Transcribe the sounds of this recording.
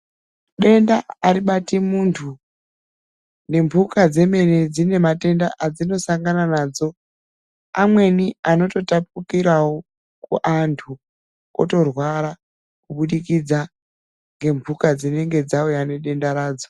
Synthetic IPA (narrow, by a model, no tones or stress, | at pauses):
ɗe̞ndaːɾiɓatimuntʰu | ne̞mbʱukad͡ze̞me̞ne̞d͡zine̞mate̞ndaʔad͡zino̞saŋɡananaːd͡zo̞ | amwe̞niano̞to̞tap̚ukiɾawo | kṵʔantʰu | o̰to̞rwaɾa | kuɓuɗikid͡za | ŋɡe̞mbʱukad͡zine̞ŋɡe̞d͡zaojane̞ɗe̞ndaɾaːd͡zo